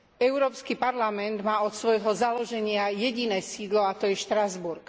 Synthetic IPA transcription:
ɛʊɾɔːpskipaɾlamɛnd̪maːɔt̪sʋɔjɦɔzalɔʒɛɲɪajɛɟinɛːsiːd̪lɔat̪ɔjɛʃt̪ɾazbuɾk

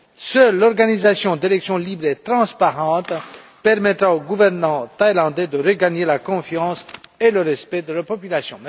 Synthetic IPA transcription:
sœlːɔʁɡanizasjɔ̃d̪elɛksjɔ̃libʁet̪χɑ̃spaʁɑ̃t̪ | pɛʁmɛt̪ʁaoɡuvɛʁnɑ̃t̪ajlɑ̃d̪ɛd̪əʁəɡaɲelakɔ̃fjɑ̃seləʁɛspɛd̪əlapɔpylasjɔ̃

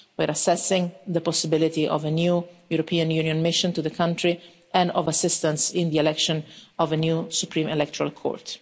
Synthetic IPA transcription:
wɛɾasɛsɪ̃ŋd̪əpɔsɪbɪlit̪iʔɔ̰vənjujuɾɔpʰiːãnjunijɔ̃nmɪʃɔ̃nt̪uðəkʰãntɾi | ɛ̃nɔvasɪst̪ãnsɪ̃nd̪iɛlɛkʃɔ̃nɔvənjusupɾĩmɛlɛk̚t̪ɔɾa̰lkʰo̰ːɹt̪

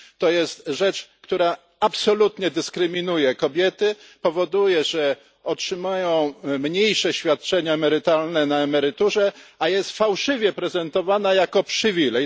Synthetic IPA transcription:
t̪ɔjɛst̪ʐɛt͡ʂkt̪uɾa | apsɔlut̪ɲɛd̪ɘskɾɘmʲinujɛkɔbʲjɛt̪ɘpɔvɔd̪ujɛʐɛ | ɔtʂɘmajɔ̃w̃mɲejʂɛɕfʲjat̪̚t͡ʂɛɲaɛmɛɾɘt̪alnɛnaɛmɛɾɘt̪uʐɛajɛst̪fawʂɘvʲjɛpɾɛzɛnt̪ɔvanajakɔpʂɘvʲilɛj

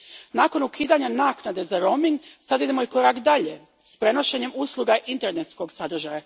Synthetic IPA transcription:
naːko̞nukiːd̪aɲanaːknad̪e̞zaɾo̞miŋɡsad̪id̪emo̞iko̞ɾakd̪aʎe | spɾe̞no̞ʃe̞ɲe̞muslˠuɡaʔint̪eɾnet̪sko̞ɡsad̪r̩ʒaja

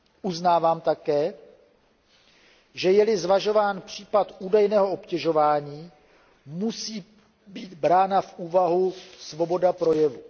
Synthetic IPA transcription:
ʔuznaːvaːmt̪akɛː | ʒɛjɛlɪzvaʒo̞vaːnpr̝̥iːpat̪ʔuːdajnɛːɦoopcɛʒo̞vaːɲiː | musiː | biːd̪bɾaːnafʔuːvaɦusvo̞bo̞dapɾo̞jɛvu

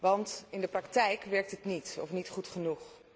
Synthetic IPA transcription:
ʋɑntɪndəprɑktɛjkʋɛɹk̚tɦətnitɔ̰fnitχutχənuχ

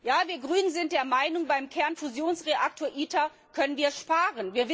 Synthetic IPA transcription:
jaːviːɐɡʁyːnənzɪnt̚d̥eːɐmaɪnʊŋbaɪmkʰɛɐnfuzjoːnsʁeʔak̚tʰoːɐʔiːta | kʰœnənviːɐʃpaːʁənviːɐv

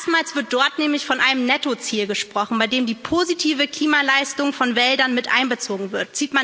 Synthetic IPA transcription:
stmaːlsv̥ɪɐt̚d̥ɔɐtnɛːmlɪçfɔnʔaɪnəmnɛtot͡siːlɡəʃpʁ̥ɔχn̩baɪdeːmdiːpʰoːzitʰiːvəkl̥iːmalaɪstʊŋfɔnvɛldɐnmɪtʔa̰ɪnbət͡soːɡŋ̩vɪɐtz̥iːtman

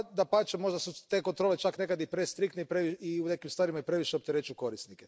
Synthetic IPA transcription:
d̪apat͡ʃemo̞ʒd̪asut̪eko̞nt̪ɾo̞ːlet͡ʃakne̞kad̪ipɾe̞st̪ɾikt̪neipɾeʋiiune̞kimst̪ʋaːɾimaipɾe̞ʋiʃeopt̪eɾet͡ʃuko̞ɾisnike

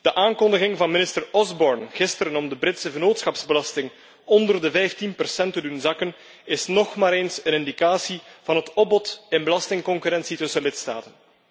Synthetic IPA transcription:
d̥əʔaːnkɔndəɣɪŋvɑnmɪnɪstərɔzbɔrnɣɪstəɾənɔmdəbɾɪtsəɣənoːtsxɑpz̥bəlɑstɪŋ | ɔndərdəvɛjftinpərsɛntədunzɑkən | ɪsnɔxmaːɾeːnsənɪndikaːsiv̥ɑnətɔbɔtɪnbəlɑstɪŋkɔŋkyɾɛnsitɵsəlɪtsta̰ːtən

